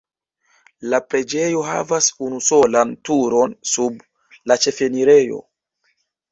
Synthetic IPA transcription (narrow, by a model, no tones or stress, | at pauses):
lapɾe̞d͡ʒe̞jo̞ɦa̰vasunuso̞lantuɾo̞nsub | lat͡ʃe̞fe̞niɾe̞jo̞̰